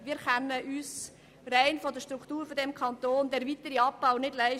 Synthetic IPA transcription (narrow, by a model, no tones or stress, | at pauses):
ʋɪːɾkɛnːəʔyːs | ɾɛɪnfɔdəʃtɾukʰtuːɾfɔdɛmkʰɑnt̪oːnd̪ɛɾvit̪əɾiɑpːaʊnɪdlæɪ